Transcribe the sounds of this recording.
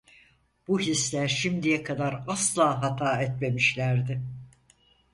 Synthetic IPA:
b̥uhislʲæɾʃimd̪ijɛkʰad̪aɾaslˠaːɦat̪ʰaːɛt̪me̞miʃlʲæɾd̪ɪ

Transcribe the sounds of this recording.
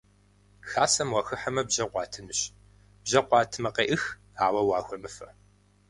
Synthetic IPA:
xaːsɐmwɐxɨħɐmɐbʑɐqʷɑːtʰɨnɨɕ | b̥ʑɐqʷɑːtʰɨmɐqeːʔɨx | aːwɐwɑːxʷɔmɨfɐ

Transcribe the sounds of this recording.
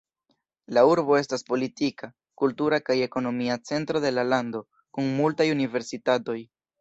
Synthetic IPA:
lauɾbo̞e̞staspo̞litika | kultuɾakaje̞ko̞no̞miat͡se̞ntɾo̞de̞lalando̞ | kuŋmultajunive̞ɾsitato̞j

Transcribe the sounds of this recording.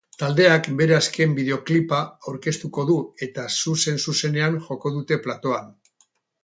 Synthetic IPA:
t̪ald̪e̞akbe̞ɾe̞aske̞mbiðe̞o̞klipaawɾke̞st̪uko̞ðue̞t̪asuse̞nsuse̞ne̞aŋʝo̞ko̞ðut̪e̞plat̪o̞an

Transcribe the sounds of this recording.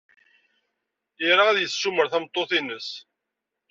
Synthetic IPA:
iɾaæðjəsːuməɾθæmt̪ˤːoθinəs

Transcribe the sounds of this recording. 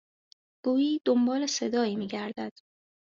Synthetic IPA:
ɡ̥uːjiːd̪ombɒːle̞se̞d̪ɒːiːmiːɟæɾd̪æd̪̥

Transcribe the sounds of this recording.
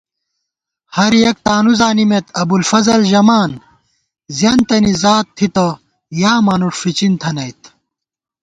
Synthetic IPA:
hɐɾjɐk̚t̪aːnuzaːnimet̪ɐbulfɐzɐlʑɐmaːn | zjɐnt̪ɐnizaːt̪ʰːit̪ɐ | jaːmɐnuʂfit͡ɕint̪ʰɐnɐjt̪

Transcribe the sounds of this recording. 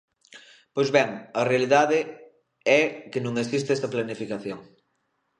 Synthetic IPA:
pojzβɛŋɐrealiðaðɪ | ɛkenũŋesist̪eɛst̪ɐplanifikaθjoŋ

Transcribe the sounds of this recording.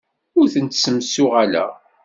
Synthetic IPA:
ʊɾθənt̪səmsʊʁælæ̰

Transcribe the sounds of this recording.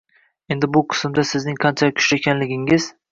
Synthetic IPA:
e̞nd̪ɪbʊqʰɨ̥smd̪asɪznɪŋqʰɑnt͡ʃʰakʲʰʊ̥ʃɪekʲʰanlɪɡʲɪŋɪz̥

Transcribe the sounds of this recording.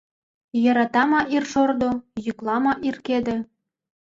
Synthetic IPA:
jɤ̆ɾɑt̪ɑmɑʔirʃord̪ojyklˠɑmɑʔirked̪ĕ

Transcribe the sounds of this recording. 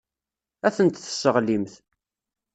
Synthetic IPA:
æθənt̪θə̥sːəʁlimθ

